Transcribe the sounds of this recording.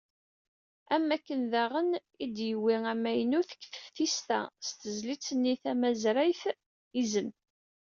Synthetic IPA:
æmːækːənðæʁən | id̪jəwiæmæjnuθə̥kːθə̥fθist̪æ̰st̪əzlit͡sːənːiθæmæzɾæjθ | izən

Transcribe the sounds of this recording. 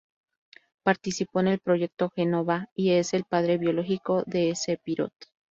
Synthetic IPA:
paɾt̪isipo̞ene̞lpɾo̞ʝe̞k̚t̪oxenoβaie̞se̞lpaðɾe̞βjo̞lo̞xiko̞ðe̞ese̞piɾo̞̰t̪

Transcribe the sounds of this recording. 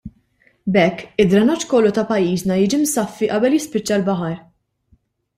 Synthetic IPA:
bɛkːɪd̪ɾɐnɔt͡ʃːkɔlːut̪ɐpɐjːiːznɐjɪːd͡ʒimsɐfːiʔɐbɛljɪspɪt͡ʃːɐlbɐħɐɾ

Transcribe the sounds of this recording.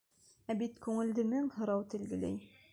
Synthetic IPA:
æbit̪kʉŋɘ̆ld̪ɘ̆mɘŋhɤ̆ɾɑwt̪ɘ̆lɡɘ̆læ̰j

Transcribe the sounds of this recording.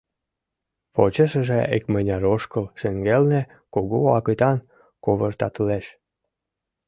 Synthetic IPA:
pot͡ɕəʃəʒeekmənʲɑɾoʃkəlʃeŋɡelne | koɣoɑkət̪ɑn | koβərt̪ɑt̪leʃ

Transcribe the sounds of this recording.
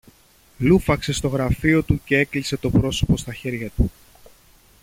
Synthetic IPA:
lufɐkse̞st̪o̞ɣɾɐfio̞t̪uce̞e̞klise̞t̪o̞pɾo̞so̞po̞st̪ɐçe̞ɾʝɐt̪u

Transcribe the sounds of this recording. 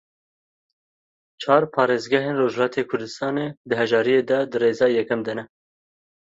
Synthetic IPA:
t͡ʃʰɑːɾpʰɑːɾeːzɡɛɦeːnroːʒhlɑːt̪ʰeːkʰʊɾd̪ɨst̪ɑːneːd̪ɨɦɛʒɑːɾijeːd̪ɛd̪ɨreːzɑːjɛkɛmd̪ɛnɛ

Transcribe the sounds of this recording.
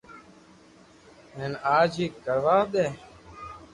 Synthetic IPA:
ɦenaːd͡ʒiːkəɾʋaːɗ̪eː

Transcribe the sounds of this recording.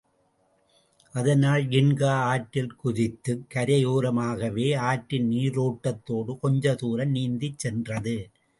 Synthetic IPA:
ʔɐðɐnaːlɡɪɳɡaːaːʈːɪlkʊðɪt̪ːɯkːɐɾɐjuːɾɐmaːɣɐʋeːaːʈːɪnniːɾoːʈːɐt̪ːoːɽɯkɔɲd͡ʒɐt̪uːɾɐmniːnd̪ɪt͡ʃsɛndrɐðɯ

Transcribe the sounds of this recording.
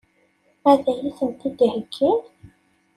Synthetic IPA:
æðæjisənt̪id̪ihəkʰːil

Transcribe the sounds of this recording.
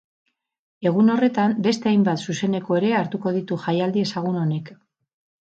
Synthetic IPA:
e̞ɣ̞uno̞re̞t̪ambe̞st̪e̞ajmbat̪suse̞ne̞ko̞e̞ɾe̞aɾt̪uko̞ð̞it̪uʝajald̪ie̞saɣuno̞ne̞k

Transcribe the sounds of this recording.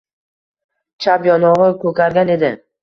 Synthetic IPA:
t͡ʃʰapjɒnɒʁɨkʰɵkʲaɾɡʲane̞d̪ɪ

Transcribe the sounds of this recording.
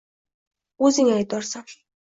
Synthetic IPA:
uːsiːŋajt̪ɔrsə̆ŋ

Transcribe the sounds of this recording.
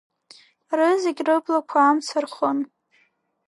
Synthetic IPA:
rɨzeɡʲrɨblakʷʰaːmt͡sʰarχʊn

